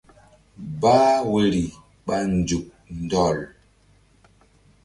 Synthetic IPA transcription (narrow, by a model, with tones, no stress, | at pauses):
baː˦we˦ɾi˨ | ɓa˦n˨d͡ʒu˨k̚n˨dɔ˦˨l